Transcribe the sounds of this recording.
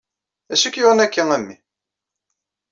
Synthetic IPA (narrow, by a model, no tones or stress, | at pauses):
æʃəkːjoʁˤənækːæŋæmːḭ